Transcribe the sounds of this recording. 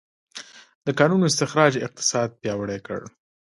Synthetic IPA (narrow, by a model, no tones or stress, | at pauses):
d̪əkɑnunoɪs̬t̪ɪxɾɑd͡ʒɪq̚t̪ɪ̥sɑd̪̚pjɑwəɽɛkə̰ɽ